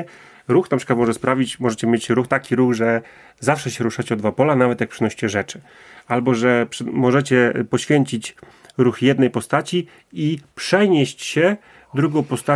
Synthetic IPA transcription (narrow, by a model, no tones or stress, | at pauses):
ɾuxnapʂɘkat̪mɔʐɛspɾavʲit͡ɕmɔʐɛt͡ɕɛmʲjet͡ɕɾuxt̪akʲiɾuɣʐɛ | zafʂɛɕɛɾuʂat͡ɕɛɔd̪vapɔlanavɛt̪jak̚pʂɨnɔɕi̥t͡ɕɛʐɛt͡ʂɘ̥ | albɔʐɛpʂmɔʐɛt͡ɕɛpɔɕfʲjeɲt͡ɕit͡ɕ | ɾuxjɛd̪nɛjpɔst̪at͡ɕi | ipʂɛɲeɕt͡ɕɕɛ | d̪ɾuɡɔ̃w̃pɔst̪a